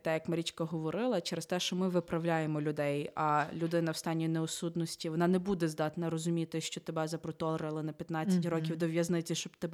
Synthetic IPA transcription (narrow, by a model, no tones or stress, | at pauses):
t̪ɛjɐkmɐɾʲit͡ʃkɐɦɔʋɔɾɪlˠɐt͡ʃɛɾest̪ɛʃt͡ʃɔmɪʋɪpɾɐwlʲajemɔlʲʊd̪ɛjɐlʲʊd̪ɪnɐwst̪ɑnʲːinɛɔsud̪nɔsʲtʲiʋɔnɑnɛbud̪ɛzd̪ɑt̪nɐɾɔzʊmʲit̪ɪʃt͡ʃɔt̪ebɛzɐpɾɔt̪ɔlˠɾɪlˠɪnɐpʲjɐt̪nɑt͡sʲːɐtʲrɔkʲiwd̪ɔʋʲjɐznɪt͡sʲiʃt͡ʃɔbt̪eb